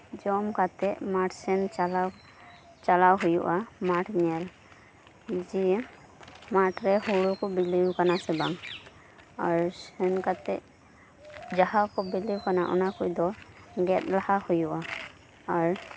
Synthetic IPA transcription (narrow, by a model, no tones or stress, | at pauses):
d͡ʒɔmkat̪ɛʔmaʈsɛnla | t͡ʃalawɦujuʔamaʈnɛl | d͡ʒi | maʈɹɛhɔɽukɔbiliwkanasɛbaŋ | aɹsɛnkat̪ɛ̰ʔ | d͡ʒaɦakɔbiliwkanaʔɔ̰nakujd̪ɔɡɛt̪̚lahahujuʔa | aɹ